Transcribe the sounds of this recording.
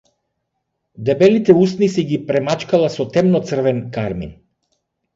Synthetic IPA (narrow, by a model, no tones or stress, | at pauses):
d̪ɛbɛlit̪ɛusnisiɡipɾɛmat͡ʃkalˠasɔt̪ɛmnɔt̪sr̩vɛnkaɾmḭn